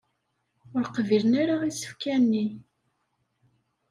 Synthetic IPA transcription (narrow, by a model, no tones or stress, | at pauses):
ʊɾqəvilənaɾaisə̥fkænːi